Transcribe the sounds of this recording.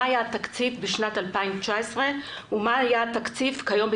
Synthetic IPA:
ajat̪akt͡sifbeʃnat̪alpaimt͡ʃaesʁe̞ | umaːjat̪akt͡sifkajo̞mb

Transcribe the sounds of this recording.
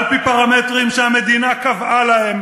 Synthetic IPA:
lpipaʁamet̪ʁimʃeame̞d̪inakavʔalahem

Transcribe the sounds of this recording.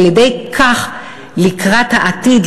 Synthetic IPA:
jedejkʰaχ | likʁathaʔat̪id

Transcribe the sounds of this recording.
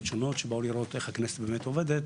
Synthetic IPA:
t͡ʃono̞t̪ʃebauliɾo̞t̪eχhaknese̥t̪beːmet̪oved̪et̪

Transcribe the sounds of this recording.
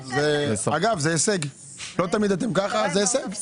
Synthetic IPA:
zesaɡavzeeseɡ | lo̞t̪amid̪at̪̬e̞mkaχazeeseɡ

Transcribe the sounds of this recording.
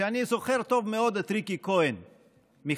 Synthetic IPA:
anisoxeɾt̪ovmeod̪ɐt̪ɾikikoen | mi

